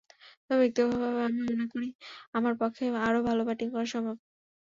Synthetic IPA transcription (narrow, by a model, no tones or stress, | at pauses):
t̪ɔbek̚t̪obʱabʱabeamimonekoɾiamaɾpɔkʰːeaɾobʱalobaʈinkɔɾaʃɔmbʱab